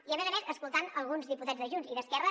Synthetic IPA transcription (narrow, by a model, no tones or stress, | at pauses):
iəmɛzəmezəskulˠt̪anəlˠɣunzðiput̪azðəʒunziðəskɛrə